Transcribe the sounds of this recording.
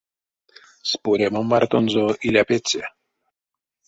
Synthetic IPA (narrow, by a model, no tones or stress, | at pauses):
spuɾemomːart̪onzoʔilʲapet͡sʲe